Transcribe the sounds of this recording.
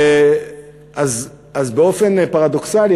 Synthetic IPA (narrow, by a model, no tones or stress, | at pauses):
az | azbeo̞fe̞npaʁad̪o̞ksali